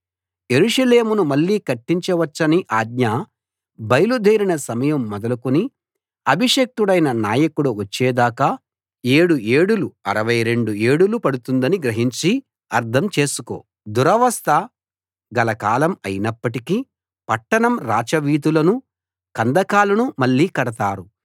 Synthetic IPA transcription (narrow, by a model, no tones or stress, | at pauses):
je̞ɾuʂɐle̞ːmunumɐlːiːkɐʈːiɲt͡ʃɐʋɐt͡ʃːɐniʔaːd̪ɲɐ | bɐjlud̪ʱeːɾinɐsɐmɐjɐmːɔd̪ɐlukuni | ɐbʱiʂek̚t̪uɽɐjnɐnaːjɐkuɽuʋɐt͡ʃːɛːd̪aːkɐ | e̞ːɽue̞ːɽuluɐɾɐʋɐjɾe̞ɳɖue̞ːɽulupɐɽut̪und̪ɐniɡɾɐɦiɲt͡ʃi | ɐɾt̪ʰɐmt͡ʃe̞ːsuko̞̰ː | d̪uɾɐʋɐst̪ʰɐ | ɡɐlɐkaːlɐmɐjinɐpːɐʈiki | pɐʈːɐɳɐmɾaːt͡ʃɐʋiːt̪̬ulɐnu | kɐnd̪ɐkaːlɐnumɐɭːiːkɐɽɐt̪aːɾu